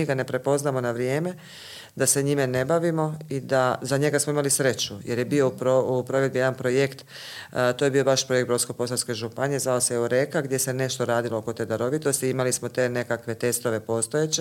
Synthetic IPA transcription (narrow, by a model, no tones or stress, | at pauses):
iɡane̞pɾe̞po̞znamo̞naʋɾjeːme̞ | d̪aseɲimene̞baʋimo̞id̪azaɲe̞ɡasmoimalisɾe̞t͡ɕujeɾje̞bio̞pɾoupɾoʋe̞d̪bijeanpɾojekt̪ | t̪ojebio̞baʃpɾo̞jek̪̚bɾosko̞po̞s̬alske̞ʒupanije̞zʋaoseuɾe̞kaɡd̪je̞se̞ne̞ʃt̪oɾaːd̪ilooko̞t̪e̞ːd̪aɾo̞ʋit̪ost̪iimalismo̞t̪e̞ːne̞kakʋe̞t̪e̞st̪o̞ʋe̞po̞st̪o̞jet͡ɕe